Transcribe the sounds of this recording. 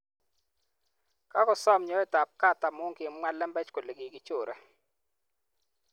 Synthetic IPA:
ka˦kɔ˨sɔ˦mɲɔ˨˦ɛ˦ta˨p̚ka˦ta˨mʊ˦ŋkɪ˨mŋwɛ˦lːɛ˦mbɛ˦t͡ʃko˨le˨ɡi˨ɡɪ˦t͡ʃo˨ɾʔɛ˨

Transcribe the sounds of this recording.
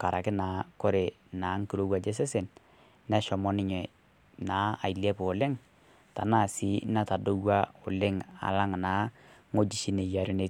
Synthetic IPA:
ka˨ɾʔa˨kɪ˦na˨ko˦ɾe˨na˨˦ŋ˦ki˦ɾo˦wa˨d͡ʒe˦s̬e˦se˨n | nɛ˦ʃɔ˨mɔ˦nɪ˦ɲɛ˨ | na˨˦a˨i˨li˦e˦po˨lɪ˦ŋ | ta̰˨na˦˨si˨˦na˦ta˨do˦wa˦o˨lɪ˦ŋa̰˨la˦ŋna˨˦ŋo˦d͡ʒi˨ʃi˦ne˨ja˨ɾo˦ne˨t

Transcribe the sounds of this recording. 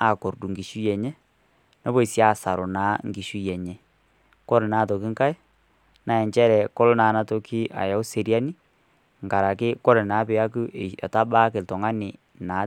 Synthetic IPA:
a˨ko˨ɾdu˨ŋɡi˨ʃu˦jɛ˨ɲɛ˦ | nɔ˦bo˦˨i˨sja˦˨sa˨ɾo˨naː˨˦ŋɡi˨ʃu˦jɛ˨ɲɛ˨ | kɔ˦ɾna˦˨tɔ˨ki˦ŋka˦j | na˨ɛ˨ɲt͡ʃɛ˦ɾɛ˨kɔ˦lnaː˨na˦to˨ki˦a̰˨ja˨ʊ˦se˨ɾja˦ni˦ | ŋɡa˨ɾa˨kɪ˦kɔ˦ɾɛ˨naː˨˦pɪ˨a˦ku˦ʔe˨a̰˨ta˦ba˦ke˨ltɔ˨ŋa˦nɪ˨ | naː˨˦

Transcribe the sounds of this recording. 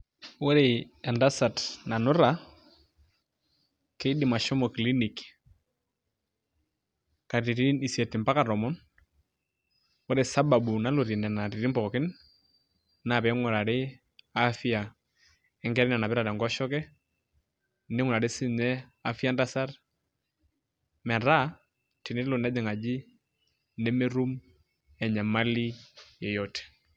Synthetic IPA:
wɔ˦ɾe˨ | ɛ˨nda˦sa˨tna˨nʊ˦ɾa˨ | ke˦dɪ˨ma˨ʃɔ˦mɔ˨kli˦ni˨k | ka˨ɾi˨ɾi˦i˦ni˨sjɛ˨tɪ˨mpa˦ka˨ɾɔ˨mɔ˦n | wɔ˦ɾe˨sa˦ba˨bu˨na˦lu˨ɾi˨nɛ˨na˨ɾi˨ɾi˦mpɔ˨kɔ˨kɪ˦n | na˨pɛ˨˦ŋɔ˨ɾa˨ɾe˦ | a˦fi˦a˨ | ɛ˦ŋɡɛ˦ɾɛ˦na˨na˨pɛ˦ɾa˨ɾɛ˨ŋɡɔ˦ʃɔ˦kɛ˦ | nɪ˦ŋɔ˨ɾa˨ɾe˦sɪ˦ɲɛ˦a˦fi˦a˦nda˦sa˦ɾ | mɛ˨ɾa˦ | ti˨nɪ˦lo˨nda˦d͡ʒɪ˨ŋa˨d͡ʒi˦ | nɛ˦me˦ɾu˦m | ɛ˨ɲa˨ma˦li˦jɛ˨jɔtɛ̥˨

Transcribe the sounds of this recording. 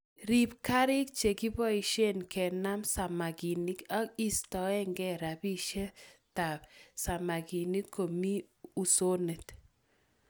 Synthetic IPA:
ɾi˨p̚ka˦ɾɪ˦k̚t͡ʃe˨ki˦bɔ˦i˨ʃe˦nkɛ˨na˦msa˨ma˨ɡi˨ni˦ka˦ki˦stɔ˨ɛ˦ŋɡɛ˦ɾa˨bi˦ʃe˦ta˨psa˨ma˨ki˨ni˦kʰːo˨mi˦u˨so˦ne˨t

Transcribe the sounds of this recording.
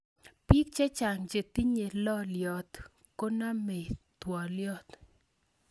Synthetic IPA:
pi˦k̚t͡ʃe˦t͡ʃa˨ŋd͡ʒe˨t̪i˦ɲe˨lɔ˦ljɔ˨t̪ | ko˦na˦me˨t̪wɔ˨ljɔ˦t̪

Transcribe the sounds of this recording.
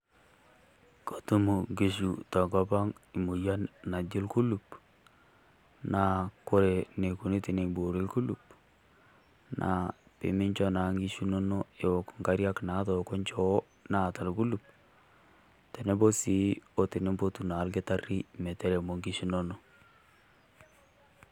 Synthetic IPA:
ko˨tu˦mu˨ŋɡe˨ʃu˨ta˨ka˦pa˦ŋi˨mu˨ja˦nna˨d͡ʒɪ˦lku˦lu˨p̚ | na˨ko˦ɾe˨ne˨ku˨ne˦te˨ne˨bo˨ɾe˦ku˦lu˨p̚ | nʔa̰˨pḛ˨mi˦ɲt͡ʃɔ˦na˨ŋɡi˦ʃu˦no˦no˦e˨wɔ˨kŋɡa˦ɾja˦kna˨˦tɔ˨ko˦ɲt͡ʃɔ˦ | na˨ta˨lku˦lu˨p̚ | te˨ne˦bo˦si˦o˦te˨ne˦bo˦tu˨na˨˦lke˦ta˦ri˦me˨tɛ˦ɾe˨mo˨ŋɡi˦ʃu˦no˦no˦

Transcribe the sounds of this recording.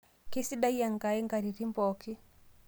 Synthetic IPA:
ki˦si˦ɗa˦ja˨ŋɡa˨ɛ˦ŋɡa˨ɾi˨ɾi˦mbɔ˨ki˦

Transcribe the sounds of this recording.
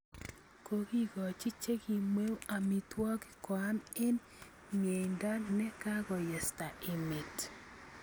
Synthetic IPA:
ko˨ki˦kɔ˨t͡ʃi˦t͡ʃe˦ki˨mwe˦wa˨mi˨twɔ˦kɪ̥kwa˦nɪ˦n | mje˨i˨nda˦nɛ˦ka˦ɡɔ˨jɛ˨sta˨ʔɪ˨me˨t

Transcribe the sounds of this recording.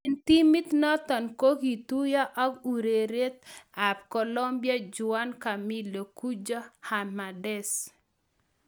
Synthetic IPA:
int̪i˦mi˦t̪nɔ˦t̪ɔ˨nko˦ki˨t̪u˦ja˦ʔɔ˦ku˨ɾe˨ɾe˦t̪̚a˨p̚kɔ˨lo˦mbja˦d͡ʒʊ˨a˦nka˨mi˦lo˨ku˦d͡ʒo˦ha˨ma˨dɛ˦˨s

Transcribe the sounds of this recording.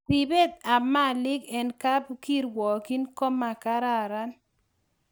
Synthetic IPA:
ti˨be˦t̪̚a˨ma˦˨lɪ˦kɛ˨nka˦bki˦ɾwɔ˨ki˦nko˦ma˨ka˦ɾa˦˨ɾa˦n

